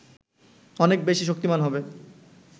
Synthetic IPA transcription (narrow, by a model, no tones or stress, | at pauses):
ɔnek̚beʃiʃ̬ok̚t̪imanɦɔbe